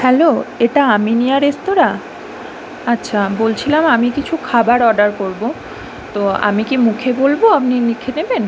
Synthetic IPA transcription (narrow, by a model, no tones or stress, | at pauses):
hɛloeʈaaminiaɾest̪oɾa | atːɕʰabolt͡ɕʰilamamikit͡ɕʰukʰabaɾɔɖaɾkoɾbo | t̪oa̰mikimukʰebolboapninikʰeneben